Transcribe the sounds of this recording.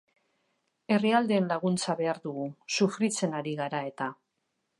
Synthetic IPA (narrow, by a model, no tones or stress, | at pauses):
e̞riald̪e̞ːnlaɣ̞unt͡saβe̞aɾðuɣusufɾit͡se̞naɾiɣaɾae̞t̪a